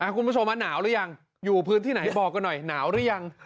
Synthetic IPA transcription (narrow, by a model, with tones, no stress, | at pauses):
ʔa˨˩kʰu˧npu˦˥˩o˧mːwaː˦˥˩naː˩˦wɾɯ˦˥ja˧ŋ | juː˨˩pʰɯː˦˥nt̪ʰiː˥˩na˩˦jbɔː˨˩kːɔ˧nɔ˨˩jnaː˩˦wɾɯ˦˥ja˧ŋ